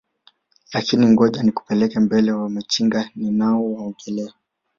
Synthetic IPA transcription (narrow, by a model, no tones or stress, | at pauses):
lakiniŋɡɔʄaniku̥pɛlɛkambɛlɛwamat͡ʃiŋɡaninaɔwaɔŋɡɛlɛa